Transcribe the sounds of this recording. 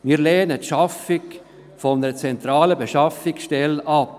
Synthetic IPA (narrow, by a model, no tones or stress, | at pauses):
miːlɛːnətʃɑfɪk | fɔnəɾt͡sɛnt̪ɾɑːləbeʃɑfɪksʃtɛlɑp